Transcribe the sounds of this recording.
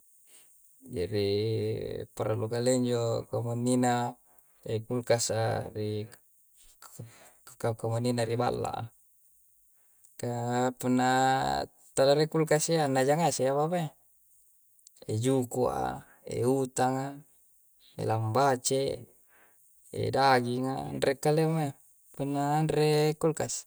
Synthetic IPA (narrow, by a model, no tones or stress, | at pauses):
d͡ʒadi | paɾalukaleɲd͡ʒokamanːina | ekulkasari | kakamaninaɾiba̰lːa̰ʔa̰ | kapunːa | t̪anaɾikulkasianːad͡ʒaŋaseaβama | ed͡ʒukuʔa̰ | ḛut̪aŋa | ḛlambat͡ʃe | ḛdaɡiŋa̰nrekːalema | punːanɾekulkas